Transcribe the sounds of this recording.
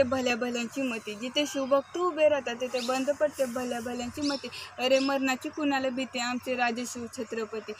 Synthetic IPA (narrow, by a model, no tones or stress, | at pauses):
ebʱəljabʱəljãɲt͡ɕimət̪id͡ʑit̪ʰeɕubək̚t̪ubeɾat̪at̪et̪ʰebənd̪ʱpəɽt̪ebʱəljabʱəljãɲt͡ɕiːmət̪iəɾeməɾɳat͡ɕiːkunaləbʱit̪ẽamt͡seɾad͡zəɕuʋt͡ɕʰət̪ɾəpət̪iː